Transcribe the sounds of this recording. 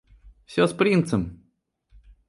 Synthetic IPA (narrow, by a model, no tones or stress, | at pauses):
sʲospɾʲint̪səm